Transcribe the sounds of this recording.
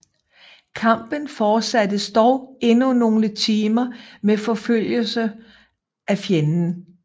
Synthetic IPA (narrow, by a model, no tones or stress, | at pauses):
kʰɑ̈m̰b̥ənfɒːsæd̥əsd̥ɒʊe̝nuno̝ːlət͡sʰiːmɐmefɒ̽føl̰jəlsə | ʔæfjenn̩